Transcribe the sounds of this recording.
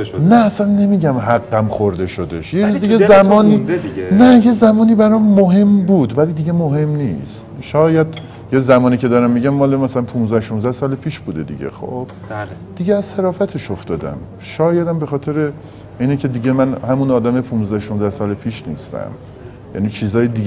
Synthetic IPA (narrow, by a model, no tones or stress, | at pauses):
næːsænːe̞miːɟæmɦæɡːæmxoɾd̪e̞ʃod̪e̞ʃjeɾuzd̪iɡezæmɒːninæje̞zæmɒːniːbæɾɒːmːoɦe̞mbuːd̪væliːd̪iɟe̞moɦe̞mnist̪ʃɒːjæd̪ | jezæmɒːnicʰe̞d̪ɒːɾæmːiɟæmːɒːlemæsælænpʰunzæhʃonzæhsɒːlepʰiːʃbuːd̪e̞̰d̪ḭɟḛxo̰b̥̚ | d̪̥iɡɟeæzsæɾɒːfæt̪ʰe̞ʃoft̪ɒːd̪æ̰m | ʃɒːjæd̪æmbe̞xɒːt̪ʰe̞ɾe | iːnecʰe̞d̪iɟemænhæmunɒːd̪æmepʰunzd̪æhʃonzæhsɒːlepʰiːʃnḭːst̪æ̰m | jæ̰ːnit͡ʃʰiːzɒːjid̪iɟ